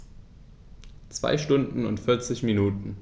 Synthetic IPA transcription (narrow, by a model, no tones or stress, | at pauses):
t͡sv̥a̰ɪʃtʊndn̩ʊ̰ntfɪɐt͡sɪçminuːtn̩